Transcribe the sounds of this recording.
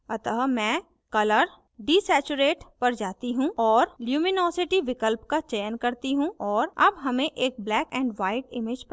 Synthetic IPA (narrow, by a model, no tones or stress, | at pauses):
ɐt̪əɦmɛ̃ː | kɐləɾ | ɖiːsɛːt͡ʃʊɾeːʈpɐɾd͡ʒaːt̪iɦũɔːɾljuːmɪnɔːsɪʈiʋɪkəlpkat͡ʃɛjənkɐɾt̪iɦũʔɔːɾɐbɦɐmẽʔeːk̚blɛːkɛ̃ːɳɖʋaːɪʈɪmɪd͡ʒp